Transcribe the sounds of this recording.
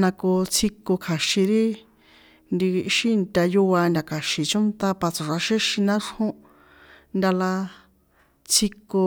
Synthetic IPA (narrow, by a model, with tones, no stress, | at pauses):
nã˧ko˧t͡sʰi˧ko˧kʰa˨ʃĩ˧ɾi˦ | nd̪i˧ʃi˦nt̪ʲa˧ju˦˧a˧nd̪ʲa˧kʰa˨ʃi˨t͡ʃo˦nt̪a˧pa˧t͡so˨ʂa˧ʃe˦ʃi˧nã˦ʂhõ˦ | nd̪ʲa˧la˧ | t͡sʰi˧ko˧